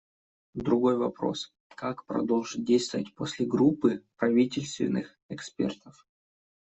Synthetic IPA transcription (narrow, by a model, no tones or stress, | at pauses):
d̪ɾʊɡo̞jvɐpɾo̞̰s | kakpɾɐ̰d̪o̞lˠʐɨt̚ʲdʲejst̪vəvət̚ʲposʲlʲɪɡɾupːɨpɾɐvʲitʲɪlʲst̪vʲɪ̰nːɨx | ɛkspʲḛrt̪əf